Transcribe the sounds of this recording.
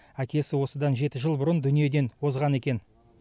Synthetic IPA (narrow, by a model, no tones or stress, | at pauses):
ækʲe̞sɪwo̞səd̪ɑnʒe̞t̪ɪʒəlˠbʊɾənd̪ʏnije̞d̪e̞nwo̞zʁɑne̞kʲe̞n